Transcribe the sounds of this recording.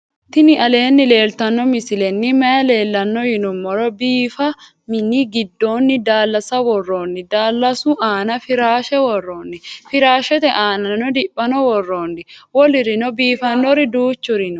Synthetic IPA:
t̪ɪnɪʔɐle̞ːnːɪle̞ːlt̪ɐnːɔmɪsɪlɛnːɪmɐjɐle̞ːlːɐnːɔhɪnʊmːɔɾɔbiːfɐ | mɪnɪɡɪd̪ːo̞ːnːɪd̪aːlːɐsɐwɔrːoːnːɪd̪aːlːɐsʊʔaːnɐfɪɾaːʃɛwɔrːoːnːɪfɪɾaːʃɛt̪ɛʔaːnɐnnɔd̪ɪpʼːɐnɔwɔrːoːnːɪwɔlɪɾɪnɔbiːfɐnːɔɾɪd̪uːt͡ʃːʊɾɪnɔ

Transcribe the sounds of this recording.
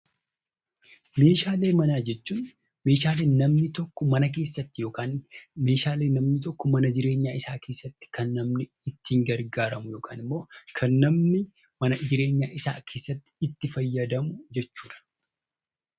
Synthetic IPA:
me̞ːʃaːle̞ːmɐnaːd͡ʒɛt͡ʃːuːn | me̞ːʃaːleːnnɐmnɪt̪ɔkːɔmɐnɐk̬e̞ːsːɐt̪ːɪjo̞ːkaːnme̞ːʃaːle̞ːnːɐmnɪt̪̬ɔkːɔmɐnɐd͡ʒɪɾe̞ːɲːaːɪsaːkʰeːsːɐt̪ːɪ̥kɐnːɐmnɪːt̪ːɪɪŋɡɐɾɡaːɾɐmʊjo̞ːkʰaːnɪmːo̞ːkʰɐnːɐmnɪ | mɐnɐd͡ʒɪɾe̞ːɲːaːʔɪsa̰ːkʰe̞ːsːɐt̪ːɪ̥t̪ːɪfɐjːɐd̪ɐmʊd͡ʒɛt͡ʃːuːᶑ̪ɐ̥

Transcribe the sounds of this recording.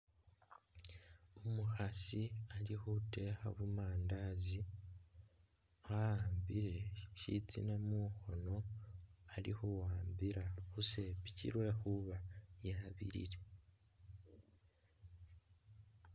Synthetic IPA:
umuxasialixute̞ːxaβumaːndazi | aaːmbiɾe̞ʃit͡sḭnamuxo̞no̞ | alixuwaːmbiɾaxuse̞picḭɾwe̞xuβajaβḭɾḭɾe̞

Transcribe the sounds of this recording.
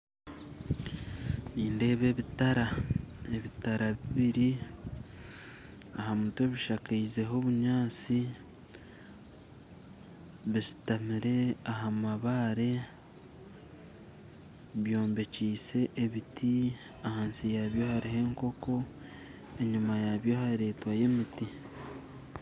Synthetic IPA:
niːnde̞ːβe̞ːβitaɾae̞βitaɾaβiβiɾi | ahamuteβiʃakaize̞ɦo̞βuɲaːt͡si | βisi̥tamiɾe̞aɦamaβaɾe̞ | βjo̞ːmbe̞ciːse̞ʔːβitʰi | ahaːnsijaβjo̞haɾihe̞ːŋko̞ko̞ | e̞ɲimajaβjo̞haɾe̞ːtwaje̞miti

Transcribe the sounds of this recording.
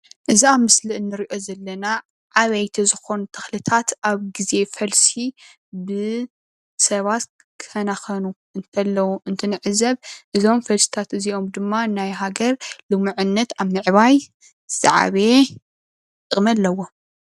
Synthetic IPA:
ʔɨziamɨslɨʔɨnːɨɾiʔo̞zɐlːɐna | ʕaβɐjt̪ʰizɨxo̞nut̪ʰɐ̥xlɨt̪ʰat̪aβɡize̞fɐlsi | bɨ | sɐβat̪ | kʰɨ̥fɐnaxɐnuʔɨnt̪ʰɐlːɐwuʔɨnt̪ʰɨnɨʕɨzɐβʔɨzo̞mfɐlsi̥t̪ʰat̪ɨzio̞md̪ɨmːanajɦaɡɐɾlɨmuʕɨnːɐt̪aβnɨʕβaj | z̥a̰ʕa̰βe̞ | t̪ʼɨkʼmɐlːɐwo

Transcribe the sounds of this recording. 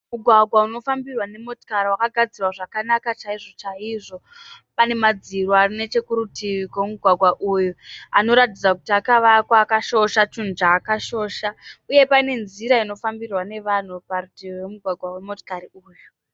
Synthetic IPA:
muɡʱwaɡʱwauno̞fambirwane̞moto̥kaɾiwakaɡʱad͡zirwaʐakanakat͡ʃaiʐo̞t͡ʃaiʐo̞pane̞mad͡ziɾoarine̞t͡ʃe̞kuɾutiʋikwomuɡʱwaɡʱwaʔujuano̞ɾatid͡zakutiakaʋakwakaʃo̞ʃat͡ʃund͡ʒaːkaʃo̞ːʃauje̞paine̞nziɾaino̞fambirwane̞ʋan̤uparutiwemuɡʱwaɡʱwawe̞mo̞to̥kaɾiuːju

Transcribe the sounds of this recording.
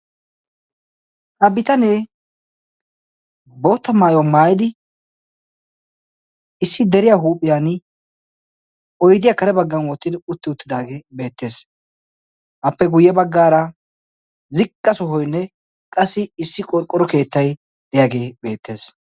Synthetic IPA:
ʔɐbɪt̪ɐneː | bo̞ːt̪ːɐmaːjɔwamaːjɪd̪ɪ | ɪsːɪd̪ɛɾɪjaɦuːpʼːɪjaːn | ɔjd̪ɪjaːkɐɾɛbɐɡːɐnwɔt̪ːɪd̪ʊt̪ːɪʊt̪ːɪd̪aːɡeːbe̞ːt̪ːe̞ːs | ʔɐpːɛɡʊjːɛbɐɡːaːɾɐ | zɪkʼːɐsɔɦɔjnːɛ | kʼɐsːɪɪsːɪkʼɔɾkʼːɔɾɔke̞ːt̪ːɐj | d̪̥ɛjaːɡe̞ːbe̞ːt̪ːe̞ːs

